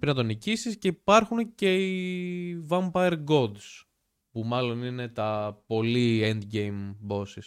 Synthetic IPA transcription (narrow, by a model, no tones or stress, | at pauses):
pɾinɐt̪onicisisce̞ipɐɾxunce̞i | vɐmpɐeɾɡo̞d̪s | pumɐlo̞nine̞t̪ɐpo̞liend̪ɟejmbo̞sis